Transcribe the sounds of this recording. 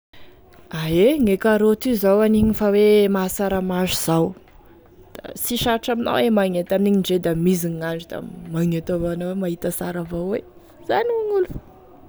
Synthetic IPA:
aeŋekaɾot̪izawaniɲifawemasaɾamazuz̥aw | d̪̥a̰siʃaɾaʈ͡ʂamina̰wemaŋet̪amniɲiɳɖ͡ʐed̪amiziɲŋaɳɖ͡ʐid̪̥a̰maŋet̪ovanawemaɦit̪asaɾavowe | z̥anuŋulu̥

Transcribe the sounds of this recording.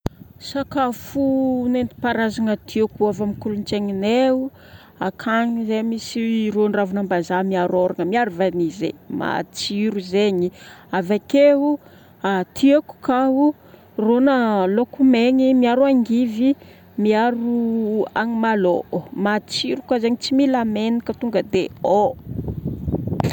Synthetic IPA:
sakafunent̪i̥paɾazaŋət̪ʰiakuavamikulunt͡ʃeŋineu | akʰaŋizemisironravunambazamiaɾoɾaŋəmiaɾuvanizḛma̰t͡siɾuzeɲiavakeu | at̪ʰiaku̥kaɦu | ronəlokumeɲimiaɾuaŋɡivi | miaɾuaŋimaloʔmat͡siɾukwazeɲit͡similamenikət̪uŋɡəd̪eo

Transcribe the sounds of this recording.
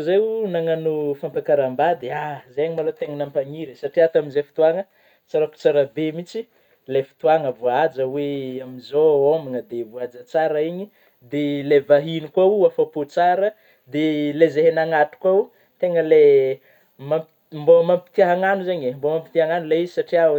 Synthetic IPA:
zeunaŋanufampakaɾambad̪eazeɲimalot̪eŋənampaɲiɾesaʈ͡ʂiat̪aminzefi̥t̪uaŋə | t͡saɾaku̥t͡saɾabemit͡si | lefi̥t̪uaŋəvuaad͡ʒəweamizoominəd̪evuad͡zat͡saɾaiɲi | d̪elevaɦinikwauafapot͡saɾə | d̪elezeɦenaŋat̪u̥kwau | t̪eŋəle | mam | mbomampi̥t̪iaɦaŋanuzeɲembomampit̪iaŋanuleizisaʈ͡ʂia

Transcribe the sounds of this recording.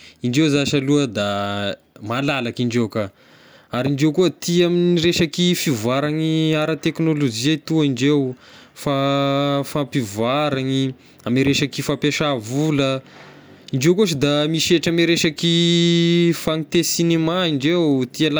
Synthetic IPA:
iɳɖ͡ʐewzaʃaluəd̪a | malalakiɳɖ͡ʐewka | aɾiɳɖ͡ʐewkuət̪iaminireʃakifivaɾaŋiaɾət̪eknolod͡ʒiat̪uaiɳɖ͡ʐewfa | fampivaɾaŋi | ameɾeʃakifapeʃavulə | iɳɖ͡ʐewkuos̬id̪amiʃeʈ͡ʂameɾeʃaki | faŋit̪esinemaiɳɖ͡ʐewt̪iala

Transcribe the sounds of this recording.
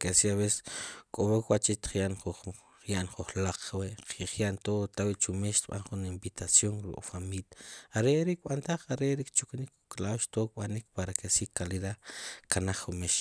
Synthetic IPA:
kesiaβese̥skʼoβokwat͡ʃit̪i̥χjaʔnχu | jaʔnχuχlaq͡χweʔqʰiχjaʔnt̪ot̪awiʔt͡ʃumeʃt̪ɓa̰nχunimbit̪ʰasjoŋɾṵkʼfamiljaaɾeʔɾik̚ɓant̪aχaɾeʔɾikt͡ʃuknikuklawʃt̪oːk̚ɓanik̚paɾakesiːkaliɾakanaχumeʃ

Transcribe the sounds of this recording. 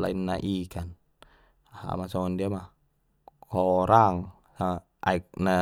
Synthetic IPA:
la̰inːaʔikan | ha̰masɔɔndiama | kɔɾaŋ | saa | ʔaik̚na

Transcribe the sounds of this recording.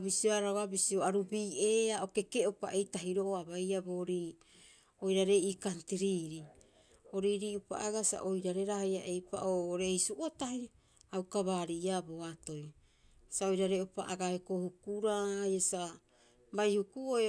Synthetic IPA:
bisiaɾaoabisioaɾubiːeːaoke̞ke̞opa̰ʔejtaɦiɾo̞ʔoabajabo̞ːɾiː | ojɾaɾe̞iːkantiɾiːɾi | o̞ɾiːɾiːupa̰ʔaɡasa̰ʔojɾaɾe̞ɾahajaʔe̞jpa̰ʔoːɾe̞isuʔotahi | awkaβaːɾiaboato̞j | sao̞jɾaɾeopaʔaɡaekohukuɾaːjasa | bajhukuoe

